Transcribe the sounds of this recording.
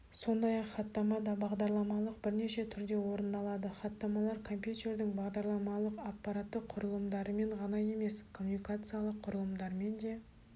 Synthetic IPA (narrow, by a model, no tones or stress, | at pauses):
so̞nd̪ɑjɑqχɑt̪ːɑmɑd̪ɑbɑʁd̪ɑɾlˠɑmɑlˠəq̚bɪɾne̞ʃe̞t̪ʰʏɾd̪e̞wo̞ɾənd̪ɑlˠɑd̪əχɑt̪ːɑmɑlˠɑɾkʰo̞mpjut̪ʲe̞ɾd̪ɪŋbɑʁd̪ɑɾlˠɑmɑlˠəqɑpːɑɾat̪ːəqʰʊɾəlˠəmd̪ɑɾəme̞ɴʁɑnɑje̞me̞skʰo̞munikat̪sɨjalˠəqʰːʊɾəlˠəmd̪ɑɾme̞nd̪e̞